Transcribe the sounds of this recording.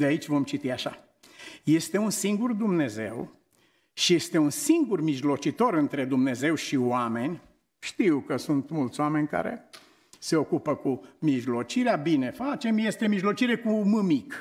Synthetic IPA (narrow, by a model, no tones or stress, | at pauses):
d̪eait͡ʃʲvo̞mt͡ʃit̪iaʃa̰ | je̞st̪e̞unsiŋɡurd̪umne̞ze̞w | ʃije̞st̪e̞unsiŋɡurmiʒlo̞t͡ʃit̪o̞ɾɨnt̪ɾe̞d̪umne̞ze̞wʃioame̞nʲ | ʃt̪iwkəsunt̪mult̪sʲoame̞nʲka̰ɾe̞̰ | se̞o̞kupəkumiʒlo̞t͡ʃiɾeabine̞fat͡ʃe̞mje̞st̪emiʒlo̞t͡ʃiɾe̞kumɨmik